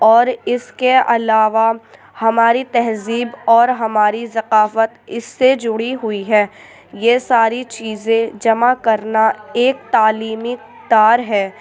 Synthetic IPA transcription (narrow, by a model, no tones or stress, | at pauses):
ɔːɾɪskeɐlaːʋa | hɐmaːɾit̪ɛɦziːbɔːɾɦɐmaːɾizɐqaːfət̪ɪsːed͡ʒʊɽiɦʊiɦɛː | jesaːɾit͡ʃiːzẽd͡ʒɐmakɐɾnaeːk̚t̪aːliːmik | d̪aːɾɦɛː